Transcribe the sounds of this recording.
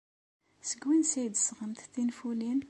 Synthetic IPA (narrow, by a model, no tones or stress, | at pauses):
səɡwinsijd̪sʁəmt̪θinfulin